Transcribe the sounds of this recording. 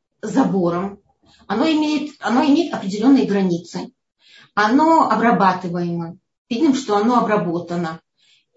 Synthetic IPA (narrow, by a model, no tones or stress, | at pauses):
zɐbo̞ɾəm | ɐnoɪmʲejɪt̪ɐnoɪmʲejɪt̪ɐpɾʲɪdʲɪlʲo̞nːɨjəɡɾɐnʲit̪sɨ | ɐno̞ɐbrɐbat̪ɨvəjɪmə | pʲid̪ʲnʲɪmʂt̪oɐno̞ɐbɾɐbo̞t̪ənə